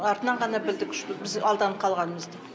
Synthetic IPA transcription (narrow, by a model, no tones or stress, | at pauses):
ɑɾt̪ənɑɴʁɑnɑbɪld̪ɪkʰʲʏ̥ʃt̪ɪbɪzɑlˠd̪ɑnqʰɑlˠʁɑnməzd̪ɪ